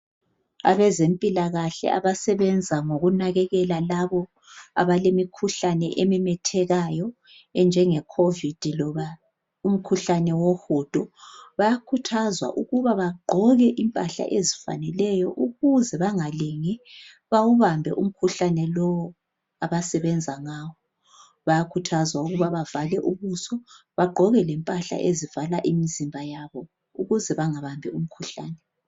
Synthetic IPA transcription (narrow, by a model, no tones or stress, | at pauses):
a̰βɛzempʼilaɣaɬɛ̰a̰βasɛβɛnd͡zʱaŋoɣunaɣɛɣɛlalaβɔ | a̰βalemikʰuɬanɛ̰ʔemɛmɛtʰɛɣajɔ | ɛnd͡ʒʱɛŋɛkʰovid̥ʱilɔβa | um̩kʰuɬanɛwoxud̥ʱɔβajakʰutʰazwa̰ʔuɣuβaβaɡ͡ǃʱɔɣɛʔimpʼaɬa̰ʔezifa̰nɛlɛjɔʔuɣuzɛβaŋaleŋi | βawuβambʱɛ̰ʔum̩kʰuɬanɛlɔwɔ | aβasɛβɛnd͡zʱaŋaːwɔ | βajakʰutʰazwauɣuβaβavalɛʔuβusɔβaɡ͡ǃʱɔɣɛlɛmpʼaɬa̰ʔezivalaʔimizimbʱajaβɔ | uɣuzɛβaŋaβambʱɛum̩kʰuɬa̰ːnɛ